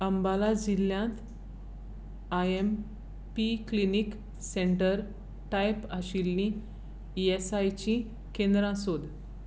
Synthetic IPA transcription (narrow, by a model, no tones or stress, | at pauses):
əmbalad͡ʑilːjãt̪ | ajem | piklinik | seɳʈəɾ | ʈajpaɕilni | iesajt͡ɕĩ | kẽnd̪ɾãsod̪